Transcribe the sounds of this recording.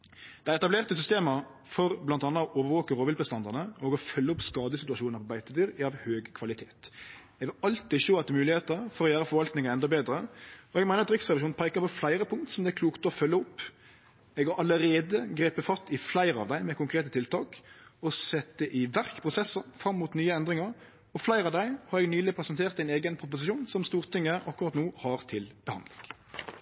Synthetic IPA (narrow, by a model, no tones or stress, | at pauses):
d̪̥ɛæɪɛt̪ɑbleːʁt̪əsʏst̪eːmə | fɔɾblɑnt̪ɑːnːɑɔʔoːʋəɾʋoːkəɾoːʋɪlbəst̪ɑnd̪ɑʁnəɔːɡɔfœlːəʊpskɑːd̪əsɪt̪ʉɑʃuːnəpɔbæɪt̪əd̪yːɾɑʋhøːɡkʰʋɑlɪt̪ʰeːt̪ | ɛɡʋɪlɑlt̪ɪʃoːɑt̪ːmʉːlɪheːt̪əfɔɾɔjæːɾəfɔɾʋɑlt̪nɪŋəɾɛnd̪ɔbeːd̪ɾəɔɛɡmæɪnəɾt̪d̪ɾʏksʁɛʋɪʃuːnpʰɑɪkəɾpɔflæɪɾəpʰʊŋkt̪sɔmd̪ɛækluːkt̪ɔfœlːəʊpː | ɛɡʋɑʔɑləɾeːd̪əɡʁeːpəfɑst̪ɪflæɪɾəɑ̰ʋd̪æɪmɛkʊŋkʰʁeːt̪ət̪ʰɪlt̪ʰɑːkɔsɛt̪ːəʔɪʋæʁkpʰʁʊsɛsəmfɾʁɑmːuːt̪nyːəɛnd̪ʁɪŋəɾ | ɔflæɪʁɑʋd̪æɪhɑɾɛɡnyːlɪpʰʁɛsɛnt̪ʰeːʁt̪æɪneːɡənpʰʁʊp̬ʊsɪʃuːnsɔmst̪uːʁt̪ɪŋːəʔɑkːʊɾʁɑt̪nuːhɑʁt̪ʰɪlb̥əhɑ̰nd̪lɪ̰ŋ